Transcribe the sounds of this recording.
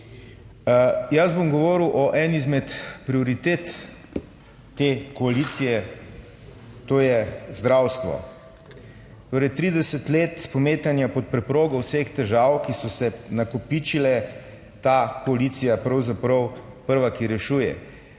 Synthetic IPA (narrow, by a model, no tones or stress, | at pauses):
jazbomɡɔʋɔːɾiwʔɔʔɛnizmɛt̪pɾioɾit̪eːt̪ | eːkoalit̪sijɛ | t̪oːjɛzd̪ɾaːwst̪ʋɔ̰ | t̪oːɾɛjt̪ɾid̪ɛsɛt̪leːt̪spomeːt̪anjapɔt̪̚pɾɛpɾoːɡɔwsext̪ɛʒaːwkisɔsɛnakɔpit͡ʃilɛ | t̪akɔalit̪sijapɾɐwzapɾɔw | pəɾʋakiɾɛʃuːjɛ̰